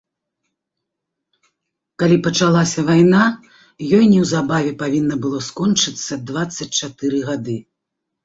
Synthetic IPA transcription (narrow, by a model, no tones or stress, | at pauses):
kalʲipɐt͡ʂalˠasʲɐvajna | jɔjnʲiwzabavʲɛpavʲinːɐbɨlˠɔskɔnt͡ʂɨt̪sːɐd̪vat̪sːɐt͡sʲt͡ʂat̪ɨɾɨɣad̪ɨ